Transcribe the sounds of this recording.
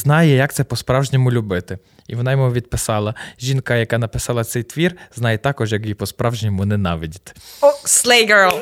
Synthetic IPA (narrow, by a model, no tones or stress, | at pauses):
znɑjɛjɐk̚t̪sɛpɔspɾɑwʒnʲimʊlʲubɪt̪ɪ | iʋɔnɑjɔmɔʋʲid̪̚pɪsɑlˠɐʒʲinkɐjɐkɑnɐpɪsɑlˠɐt̪sɛjt̪ʋʲirznɑjɛt̪ɑkɔʒjɐkjipɔspɾɑwʒnʲimʊnɛnɑʋʲidʲit̪sleɪɡɜ˞lˠ